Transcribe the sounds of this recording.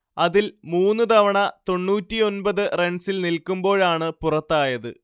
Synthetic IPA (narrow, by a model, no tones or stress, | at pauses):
ɐðilmuːnːɨt̪ɐʋɐɳɐt̪o̞ɳːuːtːijo̞nbɐðɨre̞ɳsilnilkːumbo̞ːɭaːɳɨpurɐt̪ːaːjɐðɨ̰